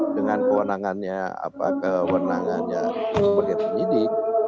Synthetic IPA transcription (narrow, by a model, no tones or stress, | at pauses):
dəŋankəwənaŋanɲaa̰pa̰kəwənaŋa̰nɲa̰səpərt̪at̪əɲidik̚